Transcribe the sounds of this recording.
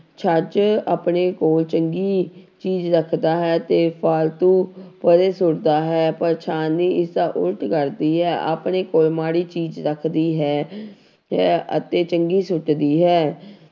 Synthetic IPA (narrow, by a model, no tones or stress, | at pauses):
t͡ʃʰəd͡ʒaːpɳeːkoːlt͡ʃəŋɡiːt͡ʃiːzɾəkʰd̪aːɦɛːt̪eːpʰaːlt̪ũːpəɾeːsʊɽd̪aːɦɛːpəɾt͡ʃʰaːniːɪsd̪aːʔʊ̰ɾʈkəɾd̪iːɦɛːʔa̰ːpɳeːkoːlmaːɽiːt͡ʃiːd͡ʒɾəkʰd̪iːɦɛː | ɦɛːə̰t̪eːt͡ʃəŋɡiːsʊʈd̪iːɦɛː